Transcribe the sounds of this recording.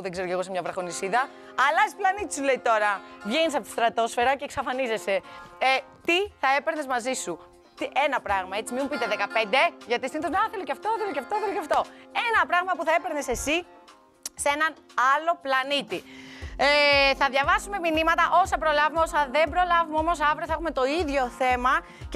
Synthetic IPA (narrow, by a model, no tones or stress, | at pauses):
uðeɡzeɾceɣo̞semɲɐvɾɐxo̞nisiðɐː | lɐsplɐnit̪i̥sule̞it̪o̞ɾɐʝenis̬ɐt̪st̪ɾɐt̪o̞sfe̞ɾɐce̞ːksɐfɐnize̞se̞ | t̪iθɐe̞pe̞ɾnezmɐzisu | t̪ie̞nɐpɾɐɣmɐe̞t͡simimupit̪eðekɐpe̞nd̪e̞ʝɐt̪ist̪iniθozmɐθe̞loceɐft̪oθe̞loceɐft̪oθelocɐft̪o̞e̞nɐpɾɐɣmɐpuθɐe̞pe̞ɾnese̞si | se̞nɐn | ɐlo̞plɐnit̪ieθɐðʝɐvɐsume̞minimɐt̪ɐʔo̞sɐpɾo̞lɐvumeosɐðe̞mbɾo̞lɐvumeo̞mo̞sɐvɾoθɐexume̞t̪o̞iðʝo̞θe̞mɐ | c